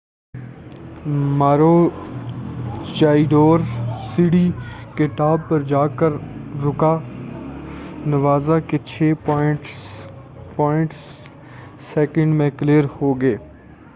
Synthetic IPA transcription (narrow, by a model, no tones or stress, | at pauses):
maːɾoː | t͡ʃaːiɖoːɾsiɽiːkɪʈ̪aːb̚pəɾd͡ʒaːkəɾːʊkaː | nəʋaːzaket͡ʃʰeːpɔɪʈ | pɔːɪ̃ɳʈs | seːkə̃ɳɖmẽkleːɾhoːɡeː